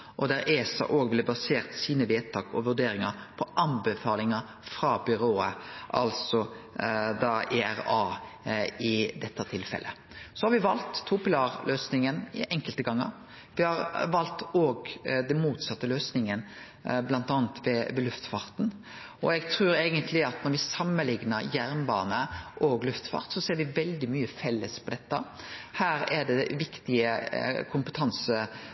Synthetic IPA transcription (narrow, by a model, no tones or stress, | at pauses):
ʔɔd̪æɾeːsɑ̰ʔoːɡblɛbɑseːʁt̪siːnəʋeːt̪ʰɑːkɔʋʉɖeːɾɪŋɑpʰɔʔɑnbəfɑːlɪŋɑ | fɾɑbʏɾoːəʔɑ̰lsɔ | d̪ɑʔeːæʁɑː | ɪd̪ɛt̪ːɑt̪ʰɪlfɛ̰lʔə̰ | sɔhɑɾʋɪʋɑlt̪ʰːʊpɪlɑːɾlʔøːsnɪŋənɪ̰ʔɛŋkəlt̪əɡɑŋːə̰ɾ | ʋɪhɑʁʋɑlt̪oːɡd̪ɛnmuːt̪sɑt̪ːəløːsnɪŋən | blɑnt̪ɑːnt̪ʋɛʋɛlʉft̪fɑɾt̪n̩ | ɔ̰ɛɡt̪ʰɾʉːɾeːɡənt̪ʰlɪɑt̪nɔɾʋɪsɑmːəlɪŋnəɾjæɾnbɑ̰ːnəʔɔɡlʉft̪fɑ̰ɾt̪sɔseːɾʋɪʋɛld̪ɪmyːəfɛlːəspʰɔd̪ɛt̪ːə | hæːɾæɖɛʋɪkt̪ɪəkʰʊmpət̪ʰɑnsə